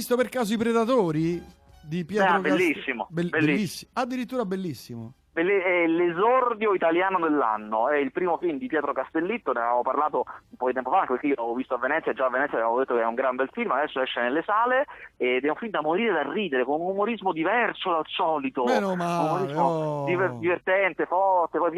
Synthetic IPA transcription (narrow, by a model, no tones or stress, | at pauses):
ist̪operkaːz̬oipɾed̪at̪oːɾi | d̪ipjɛːt̪aobelːisːimo̰belbelːisːiad̪ːiɾit̪ːuːɾabelːisːimo | belːiɛlezɔrd̪joit̪aljaːnod̪elːa̰nːoɛilpɾiːmofilmd̪ipjɛːt̪ɾokast̪elːit̪ːoneavavoparlaːt̪oumpɔkd̪it̪ɛmpofaŋkepeɾkeiolaavovist̪oavːenɛt̪sːjad͡ʒaːvːenɛtsːjavavod̪et̪ːokɛuŋɡɾambɛlfilmad̪ɛsːoɛʃːenelːesaːleed̪ːɛaũmfilmd̪amoɾiːɾed̪arːiːd̪eɾekonunumoɾizmod̪ivɛrsod̪alsɔːlit̪onɔaumoɾizmod̪ivd̪ivert̪ɛnt̪efɔrt̪epɔjp